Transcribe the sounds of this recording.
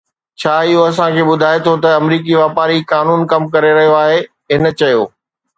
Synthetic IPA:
t͡ɕʰaːɪɦoɐs̬ãkʰeːɓʊd̪ʱaːet̪ʰot̪ɐɐmɾiːk̬iʋaːpaːɾikaːnuːnkɐmkɐɾeɾɐɦijoaːɦe | ɦɪn̆t͡ɕɐjoː

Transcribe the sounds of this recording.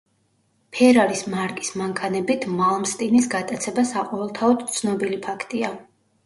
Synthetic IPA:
pʰɛɾaɾismaɾkʼi̥smaŋkʰanɛbit̪ʰmalˠmst̪ʼinisɡat̪ʼat̪sʰɛbasaqʼɔvɛlˠt̪ʰaɔd̪t̪sʰnɔbilipʰakʰt̪ʼia

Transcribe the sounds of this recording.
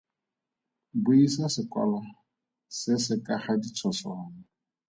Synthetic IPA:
bʊisasɪkʼwa̰la | sɪsɪkʼaχadit͡sʰɔsɔna

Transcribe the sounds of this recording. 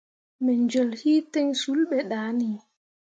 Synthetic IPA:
mɛɲd͡ʒɔlhiːtɛŋsulɓɛɗaːni

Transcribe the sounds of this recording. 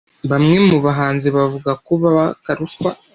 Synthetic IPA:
βamŋe̞muβaɦaːnziβavuɡakuβaβakaɾufwa

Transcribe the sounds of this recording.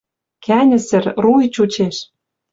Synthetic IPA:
kænʲɘ̆sɘ̆rrujt͡ɕut͡ɕeʃ

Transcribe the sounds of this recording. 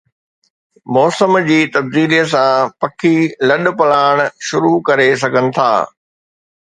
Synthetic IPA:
mɔːsəmd͡ʑiːt̪ɐbd̪iːliəsãpɐkʰilɐɗpɐlaːɽ̃ʃʊɾukɐɾes̬ɐɡʱənɪ̆t̪ʰa̰ː

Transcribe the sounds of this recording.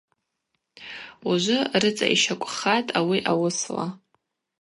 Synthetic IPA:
uʒʷʊrɨt͡sʼa̰ʔḭʃakʷʼχatʼawiʔawʊsla̰

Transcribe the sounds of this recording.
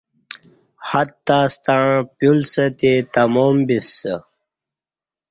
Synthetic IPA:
hat̪t̪ːaːst̪aɻ̃pjulsət̪et̪ɐmoːmbisːə

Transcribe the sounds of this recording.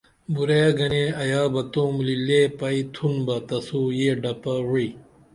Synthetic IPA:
buɾejɡɐneɐjaːbɐt̪õːmlileːpɐit̪ʰunbɐt̪ɐsuːjeːɖɐpɐwui

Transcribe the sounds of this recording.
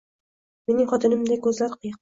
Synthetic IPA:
me̞nɪŋχɒt̪ʰɪnɪmd̪akʲʰɵzlaɾqʰɨjɪq

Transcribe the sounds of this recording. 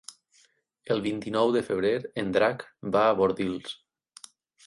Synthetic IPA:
əlˠβint̪inɔwðəfəβ̞ɾeɾend̪ɾakbaːβoɾðilˠs

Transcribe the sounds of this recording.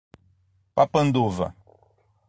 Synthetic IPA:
papɐ̃nd̪uvɐ̰

